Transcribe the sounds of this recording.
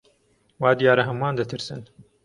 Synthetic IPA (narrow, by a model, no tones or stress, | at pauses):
waːd̪ijaːɾɐɦɐmuwaːnd̪ɐt̪ʰɨɾsɨ̰n